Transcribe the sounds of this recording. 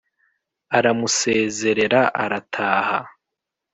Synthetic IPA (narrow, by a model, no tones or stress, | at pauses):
aɾamuse̞ːze̞ɾe̞ɾaʔaɾatʰaːha